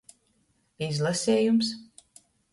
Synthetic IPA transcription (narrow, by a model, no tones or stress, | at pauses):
izlˠasʲeːjums